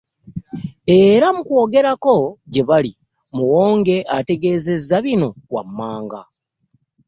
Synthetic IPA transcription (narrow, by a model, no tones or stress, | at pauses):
e̞ɾamukwo̞ːɡe̞ɾako̞ɟe̞βali | muwo̞ːŋɡe̞ʔate̞ɡe̞ːze̞zːaβino̞wa̰mːaːŋɡa̰